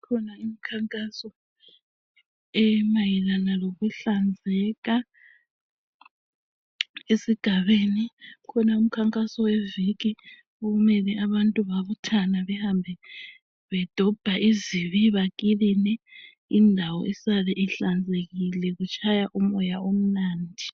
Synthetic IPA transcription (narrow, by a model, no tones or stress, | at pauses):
kʰɔnaimikʰaŋkʼasɔ | ɛmajɛlanaloɣuɬand͡zʱɛɣa | esiɡ̥ʱaβenikʰɔnaum̩kʰaŋkʼasɔwɛvik̬i | oɣumɛlɛʔaβantʼuβaβutʰanaβɛhambʱɛ | βɛd̥ʱɔb̥ʱaiziβiβakʼilinɛ | indʱawɔ̰isalɛʔiɬand͡zʱeɣilɛɣut͡ʃʰʼajaʔumɔjaom̩naːndʱi